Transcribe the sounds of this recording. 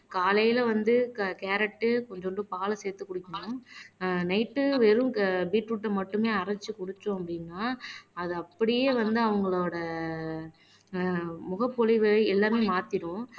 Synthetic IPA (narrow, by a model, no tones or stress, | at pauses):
kaːlɐjɪlʋɐnd̪ɯkeːɾɛʈːɯkɔɲd͡ʒɔnɳɖɯpaːlɐseːɾt̪ːɯkːʊɽɪkːɐɳʊ̃ | nɐɪʈːɯʋɛɾɯ̃biːʈɾuʈːɐmɐʈːɯmeːɐɾɐt͡ʃːɯkɔɽɯt͡ʃːʊ̃ɐpːɐɽɪnːaːɐðɯɐpːɐɽɪjeːʋɐnd̪ɯɐʋɐŋɡɐɭoːɽɐ | mʊɣɐpːɔlɪʋɯɐɪɛlːaːmeːmaːt̪ɪɽʊ̃